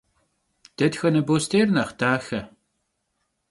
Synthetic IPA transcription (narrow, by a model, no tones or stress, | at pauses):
d̪̥ədxənəbost̪ernɐχd̥aːxɐ